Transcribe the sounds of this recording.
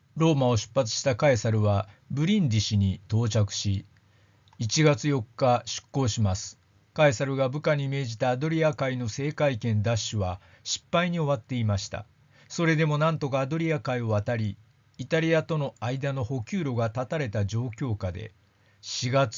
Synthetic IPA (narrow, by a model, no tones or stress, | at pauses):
ɾo̞ːmao̞ɕɨ̥pːat͡sɨ̥ɕi̥t̪akaisaɾɯ̟βabɯ̟ɾʲĩnd̪iɕiɲ̟it̪o̞ːt͡ɕakɯ̟̥ɕi | it͡ɕiɡat͡sɨjo̞kːaɕɨ̥kːo̞ːɕimasɨ̥ | kaisaɾɯ̟ɡabɯ̟kaɲ̟ime̞ːʑit̪aːd̪o̞ɾʲiakaino̞se̞ːkaikẽ̞nd̪aɕːɨβa | ɕi̥pːaiɲ̟io̞βat̪ːe̞imaɕi̥t̪a̰ | so̞ɾe̞d̪e̞mo̞nãnt̪o̞kaːd̪o̞ɾʲiakaio̞βat̪aɾʲiː | t̪aɾʲiat̪o̞no̞aid̪ano̞ho̞kʲɨːɾo̞ɡat̪at̪aɾe̞t̪ad͡ʑo̞ːkʲo̞ːkad̪e̞̰ | ɕiɡat͡s